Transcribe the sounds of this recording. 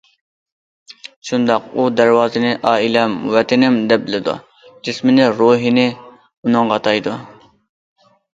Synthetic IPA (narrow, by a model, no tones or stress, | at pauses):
ʃund̪ɑqud̪ɛɾwɑːzɨnɪʔɑːilɛmwɛt̪ʰɪnɪmd̪ɛp̚bɪlɪd̪ṵ | d͡ʒɪsmɪnɪɾoːɦinɪ | unɨŋʁɑt̪ʰɑjd̪u